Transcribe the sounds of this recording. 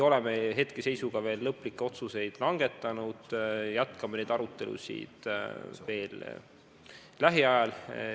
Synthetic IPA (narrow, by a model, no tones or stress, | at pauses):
o̞lemeɦe̞t̪kese̞jsuɡ̥ɑve̞ːlːɤpːˑlikːˑeo̞t̪suse̞jd̪̥lɑŋɡ̥e̞t̪ːˑɑnud̪̥jæt̪kɑmene̞jd̪̥ɑɾut̪ˑːe̞lṵsʲḭːd̪̥ve̞ːl | læɦiɑjɑl